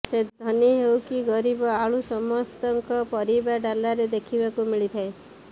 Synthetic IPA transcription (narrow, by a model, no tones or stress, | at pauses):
sed̪ʱɔniɦewkiɡɔɾibɔaɭusɔmɔst̪ɔŋkɔpɔɾibaɖalaɾed̪ekʰibakumiɭit̪ʰae